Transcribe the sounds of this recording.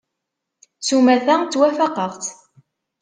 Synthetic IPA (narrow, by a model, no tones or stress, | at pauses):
sumæθæt͡s̪ːwæfæqəʁθ